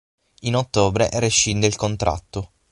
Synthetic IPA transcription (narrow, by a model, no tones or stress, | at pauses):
inot̪ːoːbɾeʔɾeʃːind̪elkont̪ɾʔa̰t̪ːo